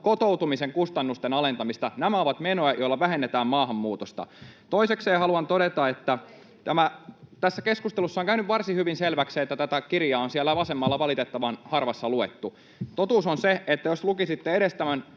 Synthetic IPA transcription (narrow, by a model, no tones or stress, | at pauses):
kot̪out̪umiseŋkust̪ɑnːust̪enɑle̞nt̪ɑmist̪ɑnæmæoʋɑt̪menojæjoilːɑʋæɦenːet̪æːmmɑːɦɑmːuːt̪ost̪ɑ̰t̪oisekseːhɑluɑnt̪oɾet̪ɑet̪ːæ | t̪æmæt̪æsːækeskust̪elusːɑoŋkæynyʋʋɑrsihyʋinselʋæksiːet̪ːæt̪æt̪ækirjɑːonsiælːæʋɑsemːɑlːɑʋɑlit̪et̪ːɑʋɑnhɑrʋɑsːɑluet̪ːu | t̪ot̪uːsonseet̪ːæjoslukisit̪ːeeɾest̪æmæn